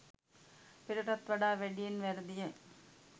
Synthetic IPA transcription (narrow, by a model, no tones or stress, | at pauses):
pɪɾɐʈɐt̪ʋɐɽaːʋeɽijɪnʋɐɾɯd̪ɪjɐ